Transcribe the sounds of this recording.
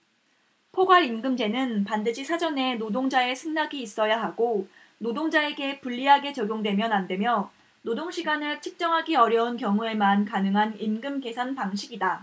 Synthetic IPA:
pʰoɡwaɾinɡɯmd͡ʑe̞nɯnpandɯɕʰisʰad͡ʑʌne̞nodoŋd͡ʑae̞sʰɯŋnaɡiːs͈ʌjaɦaɡo | nodoŋd͡ʑae̞ɡe̞puʎːiɦaɡe̞t͡ɕʌɡjoŋdwe̞mjʌnande̞mjʌ | nodoŋɕʰiɡanɯɭt͡ɕʰɯk̚t͡ɕ͈ʌŋɦaɡiʌɾjʌunkjʌŋue̞mankanɯŋɦanimɡɯmke̞sʰanpaŋɕʰiɡida

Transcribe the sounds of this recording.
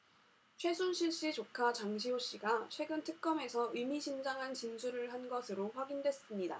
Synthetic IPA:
t͡ɕʰwe̞sʰonɕʰiɭɕ͈it͡ɕokʰat͡ɕaŋɕʰiɦoɕ͈iɡat͡ɕʰwe̞ɡɯntʰɯk̚k͈ʌme̞sʰʌimiɕʰind͡ʑaŋɦant͡ɕinsʰuɾɯɭɦanɡʌsʰɯɾoɸwaɡindwe̞s͈ɯmɲida̰

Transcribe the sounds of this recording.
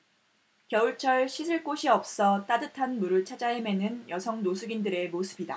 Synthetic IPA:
kjʌuɭt͡ɕʰʌɭɕʰisʰɯɭk͈oɕʰiʌp̚s͈ʌt͈adɯtʰanmuɾɯɭt͡ɕʰad͡ʑaeme̞nɯnjʌsʰʌŋnosʰuɡindɯɾe̞mosʰɯbida

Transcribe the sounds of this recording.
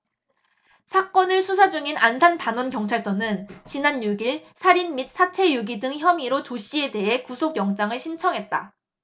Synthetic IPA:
sʰak͈ʌnɯɭsʰusʰad͡ʑuŋinansʰanpanwʌnkjʌŋt͡ɕʰaɭs͈ʌnɯnt͡ɕinanjuɡiɭsʰaɾinmit̚s͈ʰat͡ɕʰe̞juɡidɯŋçjʌmiɾot͡ɕoɕ͈ʰie̞de̞ɦe̞kusʰoɡjʌŋd͡ʑ͈aŋɯɭɕʰint͡ɕʰʌŋɦe̞t̚t͈a

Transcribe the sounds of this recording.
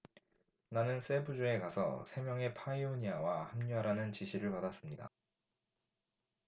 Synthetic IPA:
nanɯns͈e̞bud͡ʑue̞kasʰʌ̰sʰe̞mjʌŋe̞pʰaioɲiawahamɲuaɾanɯnt͡ɕiɕʰiɾɯɭpadas͈ɯmɲida̰

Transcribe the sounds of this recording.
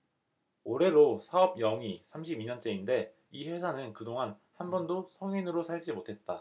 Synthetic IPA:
oɾe̞ɾosʰaʌb̚jʌŋisʰamɕʰibiɲʌnt͡ɕ͈e̞inde̞ | iɸwe̞sʰanɯnkɯdoŋan | hanbʌndosʰʌŋinɯɾosʰaɭd͡ʑimotʰe̞t̚t͈a

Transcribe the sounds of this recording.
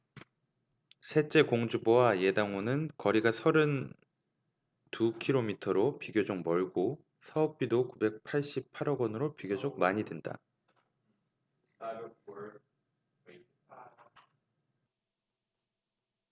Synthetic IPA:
sʰe̞t͡ɕ͈e̞koŋd͡ʑubowaje̞daŋonɯnkʌɾiɡasʰʌɾɯn | tukʰiɾomitʰʌɾopiɡjod͡ʑok̚mʌɭɡo | sʰʌʌp̚p͈idokube̞k̚pʰaɭɕ͈ip̚pʰaɾʌɡʌnɯɾopiɡjod͡ʑok̚maɲidwenda̰

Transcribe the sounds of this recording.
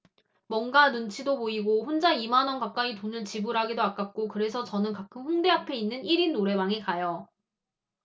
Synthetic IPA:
mwʌnɡanunt͡ɕʰidopoiɡoɸond͡ʑaimanʌnkap̚k͈aitonɯɭt͡ɕibuɾɦaɡidoak͈ak̚k͈okɯɾe̞sʰʌt͡ɕʌnɯnkak͈ʰɯmɸuŋde̞ɦapʰe̞inːɯniɾinːoɾe̞waŋikajʌ

